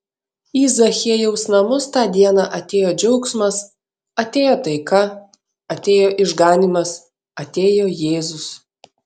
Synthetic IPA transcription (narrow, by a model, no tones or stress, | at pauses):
iːzɐxʲiɛjɛʊsnɐmʊst̪ɑːd̪ʲiɛnɑʔɐt̪ʲeːjoːd͡ʒʲɛʊksmɐs | ɐt̪ʲeːjoːt̪ɐɪkɐ | ɐt̪ʲeːjoːʔɪʒɡɑːnʲiːmɐs | ɐt̪ʲeːjoːjeːzʊs